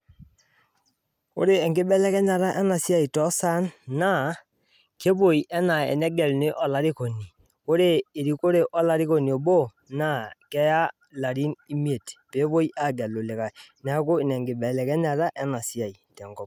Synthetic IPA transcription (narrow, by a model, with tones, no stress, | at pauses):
o̰˦ɾe˨ɛ˨ŋɡe˦ɓɛ˦lɛ˦kɛ˦ɲa˨ɾa˦ʔɛ˦na˨si˦a˦i˨tɔ˦sa˦nːa˦˨ | ke˦bo˨i˨ʔɛ˦na˨ɛ̰˨nɛ˦ɡɛ˨lne˦ʔɔ˨la˨˦ɾe˦ko˨ni˨ | ko˦ɾeː˦˨ɾi˨ko˦ɾe˨ʔɔ˦la˨ɾi˦ko˨ni˨o˨bo˦ | na˦˨kɛ˦ja˦ | la˨ɾi˦ni˦mi˦e˨tpe˨˦βo˦i˦ʔa˦˨ɡɛ˨lo˨le˨ka˨nɛ˨˦ko˦i˨nɛ˨ŋɡe˨ɓɛ˨lɛ˨kɛ˦ɲa˨ɾa˦ʔɛ˦na˨si˦a˨i˨tɛ˨ŋɡɔ˦p̚